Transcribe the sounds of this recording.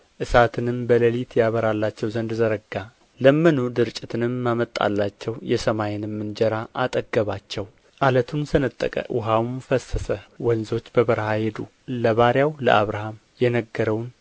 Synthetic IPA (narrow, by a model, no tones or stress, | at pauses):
ʔɨsat̪ʰɨnɨmbələlit̪jaβəɾalːat͡ʃːɛwzənd̪zəɾəɡːa | ləmːɨnud̪ɨɾt͡ʃʼɪt̪ʰɨnɨmːamət̪ʼːa̰lːat͡ʃːɛwjɛsəmajɪnɨmːɨnd͡ʒɛɾaʔat̪ʼəɡːəβat͡ʃːɛw | ʔalət̪ʰunsənət̪ʼːə̰kʼə̰ʔʊɦawmfəsːəsəwɔnzo̞t͡ʃːbəβəɾhahed̪u | ləβaɾjawlə̰ʔaβɾaham | jɛnəɡːəɾəwn